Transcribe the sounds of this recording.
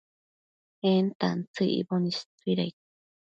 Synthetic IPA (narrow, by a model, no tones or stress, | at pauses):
ent̪a̰nt͡sɨʔḭbonist̪uiɾajk